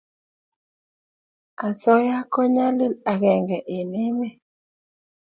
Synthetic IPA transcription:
a˨sɔ˦ja˦kɔ˦ɲa˦li˦la˨ɣɛ˨ŋɡɛ˨ʔe˨ne˦me˦

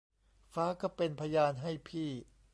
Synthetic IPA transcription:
faː˦˥ka˥˩pe˧npʰa˧jaː˧nɦa˥˩jpʰiː˥˩

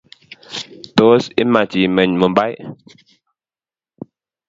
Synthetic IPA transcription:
to˨˦si˦ma˨t͡ʃi˨mɛ˨ɲmə˨mba˦j

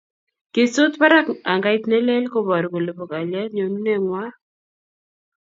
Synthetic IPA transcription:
ke˨so˦t̪pa˦ɾa˦ka˨ŋɡa˦i˦t̪nɛ˦lɛ˦lko˦bɔ˨ɾko˨le˨bo˨ka˨lja˦tɲo˨nu˦nɛ˦˨ŋwa˦

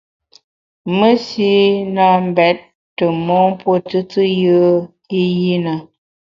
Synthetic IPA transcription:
mə˦si˦na˦˨m˨bɛ˨˦t̚ | tə˨mɔ˦ŋpwo˦tɨ˦t͡sɨ˦jə˦ | i˦ji˦na˨

